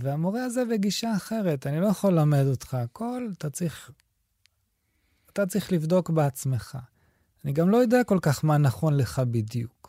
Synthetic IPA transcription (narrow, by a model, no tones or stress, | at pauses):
veamo̞ʁeazebeɡiʃaːχe̞ʁe̞tanilo̞jaχolame̞do̞tχaːkʰo̞lat̪at͡sʁiχ | at̪at͡saʁiχlivdo̞kbeat͡sme̞χa̰ | aniɡamlo̞jodeako̞lkaχmanaχo̞nle̞χabidjuk